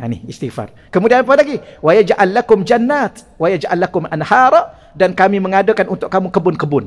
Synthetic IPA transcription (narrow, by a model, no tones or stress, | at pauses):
anɪhist̪ifa̰r | kəmudianp̬alaɡiwajad͡ʒaʔalːakʊmd͡ʒanːat̪ | wajad͡ʒaʔalːakʊmʔanhaɾˤɔ | dankamiməŋadəkanunt̪ʊʔ̚kːamukəbʊnkəbʊn